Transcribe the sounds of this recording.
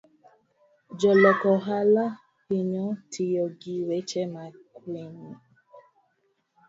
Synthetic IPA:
d͡ʒɔlɔkɔɦala | piɲɔ̃tʰijɔɡiwɛt͡ʃɛmakleɲi

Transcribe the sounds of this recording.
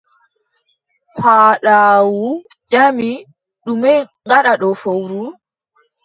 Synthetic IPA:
pʰaːɗaːwu | d͡ʒami | ɗumɛjŋɡaɗaɗɔfowɾu

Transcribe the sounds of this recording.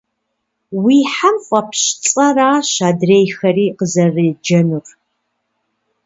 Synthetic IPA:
wiːħamfʼɐpʰɕt͡sʼɐraːɕaːdreːjxɐriːqəzɐrid͡ʒɐnur

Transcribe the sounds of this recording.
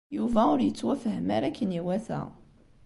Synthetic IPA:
juvæʊɾjət͡sːwæfəhəmaɾækʰːəniwæθæ̰

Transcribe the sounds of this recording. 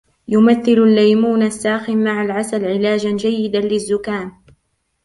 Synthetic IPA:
jʊmaθːɪlʊlːajmuːnasːaːxɪmːaʕalʕasalʕɪlaːd͡ʒand͡ʒajːɪd̪alɪzːʊkaːn

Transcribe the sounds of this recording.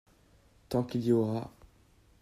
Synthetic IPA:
t̪ɑ̃kiljɔʁa

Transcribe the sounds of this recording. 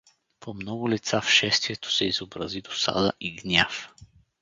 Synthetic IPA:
pomnɔɡʊlit̪safʃɛst̪viɛt̪o̥sɛizobɾɐzid̪osa̰d̪əʔiɡnʲaf

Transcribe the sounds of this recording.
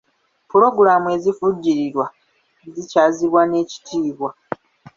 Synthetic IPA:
puɾo̞ɡuɾaːmue̞zifuɟːiɾiɾwa | zicaːziβwane̞ːci̥tʰiːβwa

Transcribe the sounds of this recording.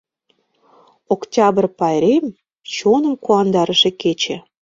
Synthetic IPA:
oktʲɑbərpɑjɾem | t͡ɕonəmkuɑnd̪ɑɾəʃĕket͡ɕĕ

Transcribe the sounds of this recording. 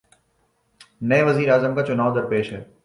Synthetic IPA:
nɐeʋɐziːɾaːzəmkaːt͡ʃʊnaːʋod̪ɐɾpeːʃɦɛː

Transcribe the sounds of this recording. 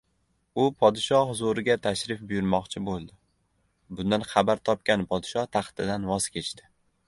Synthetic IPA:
ʊpʰɒd̪ɪʃɒhzoɾɪɡʲat̪ʰaʃɾɪfbʊjʊɾmɒqt͡ʃʰɪbolˠd̪ɪ | bʊnd̪anχɑbaɾt̪ʰɒp̚kʲanpʰɒd̪ɪʃɒht̪ʰaχt̪ʰɪd̪anvɒz̥kʲe̞t͡ʃt̪ʰɪ̥

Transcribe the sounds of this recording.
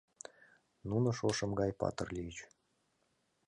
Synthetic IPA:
nunɤ̆ʃoʃɤ̆mɡɑjpɑ̰t̪ərlʲiit͡ɕ

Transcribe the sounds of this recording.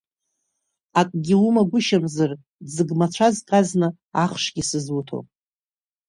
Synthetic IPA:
akʼɡʲiumaɡʷʊʃamzar | d͡zɨɡmat͡ɕʷʰazkʼaznɨ | aχʂɡʲisɨzwutʰo̰pʼ

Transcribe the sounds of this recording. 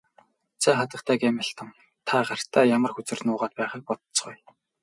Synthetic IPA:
t͡sʰæːχat̪ə̆χt̪ʰæːkæmʲɪ̆ɬt̪ə̆m | t̪ʰaɢar̥t̪ʰæːjamə̆rxut͡sɘ̆rnʊːʁaːt̪̚pæːχiːk̚pɔt̪t͡sɢuj

